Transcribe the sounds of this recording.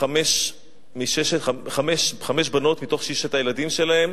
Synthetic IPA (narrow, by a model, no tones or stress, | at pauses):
ameʃ | miʃeʃeaχameʃχameʃ̬bano̞tmito̞χʃiʃet̪ajeladimʃe̞lae̞m